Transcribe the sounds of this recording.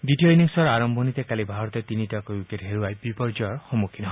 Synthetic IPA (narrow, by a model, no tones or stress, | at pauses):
d̪itiɔiniŋsɔɾaɾɔmbʱɔnit̪ekalibʱaɾɔt̪et̪initakojuketɦeɾuajbipɔɹd͡ʒɔɔɹxɔmukʰinɔɦ